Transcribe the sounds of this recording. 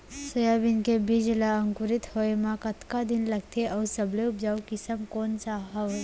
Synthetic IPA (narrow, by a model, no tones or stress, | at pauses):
səjabɪnkebid͡ʒlaɐ̃ŋkʊɾɪt̪hoːemãkɐt̪kad̪ɪnlɐɡt̪eʔɔːsɐbleʊpd͡ʒaːwkɪsəmkoːnsaɦae